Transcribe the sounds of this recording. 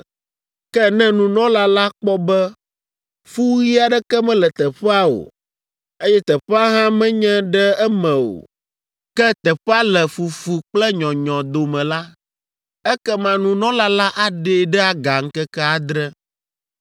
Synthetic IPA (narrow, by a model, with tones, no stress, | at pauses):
kɛ˦nɛ̃˦nũ˨nɔ̃˦la˦la˦k͡pɔ˦bɛ˦ | fu˦ɣi˦a˨ɖɛ˦kɛ˦mɛ̃˦lɛ˨t̪ɛ˨ɸɛ˦a˦o̰˨ | e˦jɛ˦t̪ɛ˨ɸɛ˦a˦ɦã˦mɛ̃˦ɲɛ̃˦ɖɛ˦ɛ˦mɛ̃˨o̰˨ | kɛ˦t̪ɛ˨ɸa˦lɛ˨fu˨fu˨k͡plɛ˦ɲɔ̃˨ɲɔ̃˨d̪o˨mɛ̃˨la˦ | ɛ˦kɛ˦mã˨nũ˨nɔ̃˦la˦la˦ʔa˦ɖe˦˨ɖɛ˦a˦ɡa˨ŋ̩˦kɛ˦kɛ˦a˨d̪ɾɛ˦